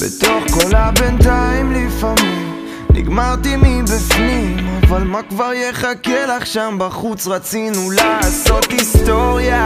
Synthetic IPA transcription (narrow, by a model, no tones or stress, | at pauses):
bḛt̪o̞χko̞labent̪aimlifamim | nḭɡmaʁt̪imibifnimavalmakvaʁjeχakelaχʃambaχut͡sʁat͡sinulaso̞t̪hist̪o̞ʁja